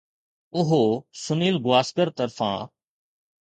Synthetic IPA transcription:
ʊɦoːsʊniːlɡʊwaːskəɾt̪əɾfã̰ː

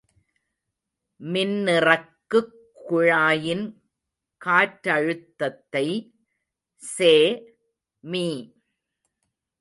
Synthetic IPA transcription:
mɪnːɪrɐkːɯkːʊɻaːjɪn | kaːʈːɐɻɯt̪ːɐt̪ːɐɪ | seː | miː

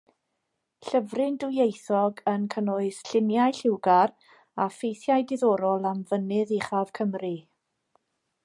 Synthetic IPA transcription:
ɬəvrɪndʊjejθɔɡənkʰənʊɨsɬɪnjajɬɪwɡar | afejθjajdɪðɔːɾɔlˠamvənɨðiχav̥kʰəmri

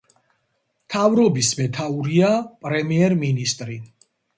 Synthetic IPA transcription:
mt̪ʰavɾɔbismɛt̪ʰauɾiapʼɾɛmiɛɾminist̪ʼɾi

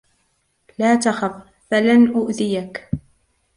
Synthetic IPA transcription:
laːt̪axab | falanʔʊʔðɪjak

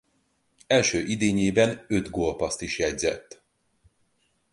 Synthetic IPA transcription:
ɛlʃøːʔid̪eːɲeːbɛnø̞d̪ɡolpɒst̪iʃjɛɟzɛt̪ː

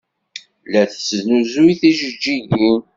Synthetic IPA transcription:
læθə̥t͡sːəznuzuiθiʒəd͡ʒːiʝu

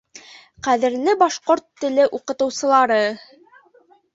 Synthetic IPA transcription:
qæðɘ̆ɾlɘbɑʃqoɾt̪ːɘ̆lɘʔuqɤ̆t̪ɤ̆wsɤ̆lˠɑɾɤ

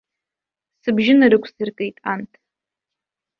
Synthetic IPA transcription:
sɨbʒɪnaɾɨkʷʰsɨrkʼejtʼantʰʼ

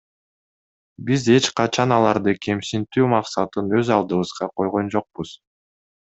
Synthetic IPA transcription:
bize̞t͡ʃqɑt͡ʃʰɑnɑlˠɑɾd̪ɯkʰe̞msint̪yːmɑqsɑt̪ɯnø̞zɑlˠd̪ɯβɯz̥ʁɑqʰo̞jʁo̞nd͡ʒo̞q̚buz̥

